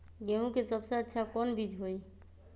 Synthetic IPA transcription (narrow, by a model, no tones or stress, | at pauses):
ɡemũkesəbseətːʃʰakɔnbid͡ʒʱɦoj